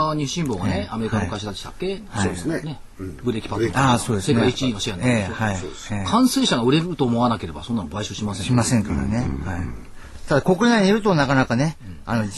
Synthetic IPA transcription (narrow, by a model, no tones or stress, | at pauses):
ɲiɕĩmboːɡaneame̞ɾikanokaɕ̬id̪at͡ɕi̥t̪a̰kːe̞haoːd̪esene | bɯ̟ɾe̞kʲi̥pat̪oaːso̞ːd̪eseneaeit͡ɕiiːnoɕijãneːoaio | ekʰãɰ̃se̞ːɕaɡaɯ̟ɾe̞ɾɯ̟t̪o̞ːmo̞βanake̞ɾe̞baso̞nːanobaiɕoːɕimasẽɕimasẽ̞ŋkaɾa̰ne̞hai | t̪ad̪ako̞kɯ̟naiɲiɾɯ̟t̪o̞nakanakane̞ano̞